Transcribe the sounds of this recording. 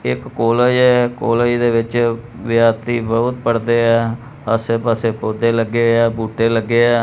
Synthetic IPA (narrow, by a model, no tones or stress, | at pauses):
ɪ̰kːoːləiɛːkoːləiːd̪eːʋɪt͡ʃ | ʋɪjaːt̪iːbəʊt̪̚pəɽd̪eːɛː | əseːpəseːpoːd̪eːləɡːeːɛːbuːʈːeːləɡːeːɛː